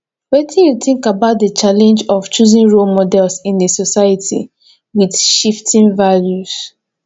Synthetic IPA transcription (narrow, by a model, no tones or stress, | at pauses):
wetʰĩnjuθĩŋkabaʊt̚dət͡ʃalɛ̃nd͡ʒɔft͡ʃuzĩnɹolmɔdɛlsĩndesɔsajatʰḭ | widʃiftʰĩnvaljus